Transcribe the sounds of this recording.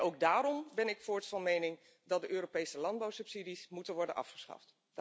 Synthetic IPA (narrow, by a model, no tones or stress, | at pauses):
owɡ̚daːɾɔmbɛnɪkfʊːɹtfɑnmejnɪŋ | dɑt̚dəʔøːropejsəlɑnd̚bawsɵpsidismutənʋɔɹdənʔɑ̰fχə̥sχɑ̰ft